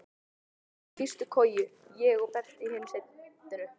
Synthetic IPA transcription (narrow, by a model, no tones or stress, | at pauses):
fir̥st̪ʏkʰɔːjʏjɛɣɔɣpɛr̥t̪ɪiheːmset̪ʏɾʏ